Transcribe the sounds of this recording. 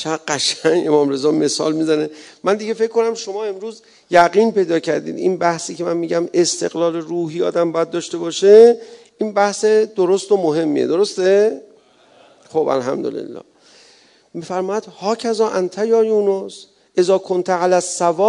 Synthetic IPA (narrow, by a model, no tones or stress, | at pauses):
t͡ʃʰæɢæʃæŋe̞mɒːmɾe̞zɒːme̞sɒ̰ːlmizæne̞mænd̪iɡe̞fe̞cʰkːo̞næmʃo̞mɒːe̞mɾuːz | jæɣiːnpe̞jd̪ɒːcʰæɾd̪ḭːd̪ḭnbæhsiːcʰe̞mænmiːɟæme̞st̪ʰe̞̰ɣlɒːleɾuːɦiːɒ̰ːd̪æmbɒːjæd̪̚ːɒːʃt̪e̞bɒːʃe | inbæhsed̪̥oɾost̪omoɦe̞mːḭḛd̪o̞ɾo̞st̪e̞ | χobæ̰lɦæ̰md̪o̰lḛlːɒ̰ː | miːfæɾmɒːjæd̪̥hɒːcʰæzɒːʔænt̪ʰæjɒːjuːnos | ʔe̞zɒːkʰo̞nt̪ʰæʕalæsːævɒː